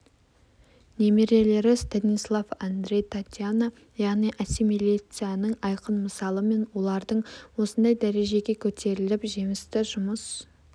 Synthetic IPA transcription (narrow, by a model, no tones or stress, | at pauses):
nemeɾe̞le̞ɾɪst̪anislˠafand̪ɾʲe̞jt̪ʰat̪ʲjano | jɑʁnijʔasimelʲit̪sɨjanəɴɑjqənməsɑlˠəme̞nwo̞lˠɑɾd̪əɴwo̞sənd̪ɑjd̪æɾe̞ʒe̞ɡʲe̞kʲʰɵt̪ʰe̞ɾɪlɪpʒe̞mɪst̪ɪʒʊməs